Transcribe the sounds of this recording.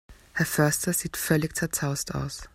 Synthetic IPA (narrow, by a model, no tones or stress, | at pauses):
hɛɐfœɐstɐz̥iːtfœlɪçt͡sɛɐt͡sʰaʊstʰa̰ʊs